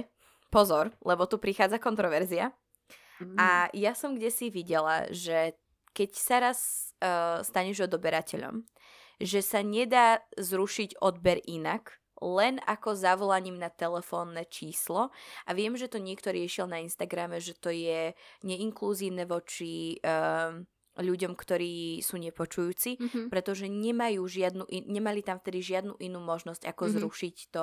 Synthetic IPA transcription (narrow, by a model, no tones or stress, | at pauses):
pɔzɔɾlɛbɔt̪upɾixaːd͡zakɔnt̪ɾɔʋɛɾzia | ajasɔmɡɟɛsiʋiɟɛla̰ʒɛ | kɛcsaɾas | st̪aɲɛʒɔd̪ɔbɛɾacɛʎɔ̰m | ʒɛsaɲɛd̪aːzɾuʃiɟɔd̪̚bɛɾʔinak | lɛnakɔzaʋɔlaɲimnat̪ɛlɛfɔːnːɛt͡ʃiːslɔʔaʋɪɛmʒɛt̪ɔɲɪɛkt̪ɔɾɪɛʃilnainst̪aɡɾamɛʒɛt̪ɔjɛɲɛiŋkluziːʊnɛʋɔt͡ʃi | ʎuɟɔmkt̪ɔɾiːsuːɲɛpɔt͡ʃujuːt͡sipɾɛt̪ɔʒɛɲɛmajuːʒɪad̪nuʔiɲɛmalit̪amft̪ɛd̪iʒɪad̪nuʔinuːmɔʒnɔscakɔzɾuʃict̪ɔ